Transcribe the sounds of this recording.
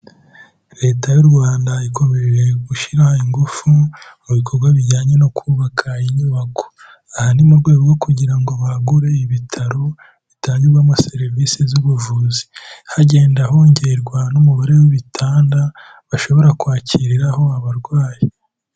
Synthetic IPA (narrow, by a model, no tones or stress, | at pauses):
ɾe̞ːtajuɾɡwaːndaiko̞meɾiɾe̞ɡuʃiɾahaiŋɡufumuβikʰo̞ɾɡwaβiɟaːɲe̞no̞kʰuːβakʰaiɲuːβako̥ | ahanimuɾɡwe̞ːβoɡo̞kuɟiɾaŋɡo̞βaɡuɾe̞iβitʰaɾo̞ | βitaːɲuɡamase̞ɾvisizuβuvuzi̥haɟe̞ːndaɦo̞ɲɟeɾɡwanumuβaɾe̞wiβitʰaːnda | βaʃo̞βo̞ɾakwaːcʰiɾiɾaho̞aβaɾɡwaːji